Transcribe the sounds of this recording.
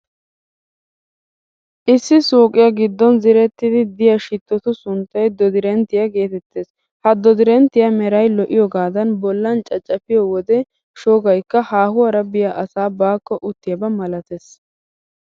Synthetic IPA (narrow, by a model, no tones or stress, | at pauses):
ʔɪsːɪsoːkʼɪjɐɡɪd̪ːɔnzɪɾɛt̪ːɪd̪ɪd̪ɪjɐʃɪt̪ːɔt̪ʊsʊnt̪ːɐjd̪ɔd̪ɪɾɛnt̪ːɪjɐɡe̞ːt̪ɛt̪ːeːs | hɐd̪ɔd̪ɪɾɛnt̪ːɪjɐmɛɾɐjlɔʔɪjɔɡaːd̪ɐnbɔlːɐnt͡ʃʼɐt͡ʃʼːɐfɪjɔwɔd̪ɛ | ʃoːɡɐjkːɐhaːhʊwɐɾɐbɪjaʔɐsaːbaːkːɔʔʊt̪ːɪjɐbɐmɐlɐt̪es